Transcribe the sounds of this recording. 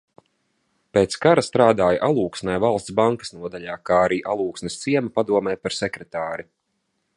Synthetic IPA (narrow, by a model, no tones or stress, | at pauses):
peːt̪skaɾast̪ɾaːd̪aːjaʔalˠuːksnajvalˠst̪sbaŋkḁsnuɔd̪aʎaːkaːaɾiːʔalˠuːksnɛst̪siɛmapad̪uɔmɛːjpaɾsɛkɾɛt̪aːɾi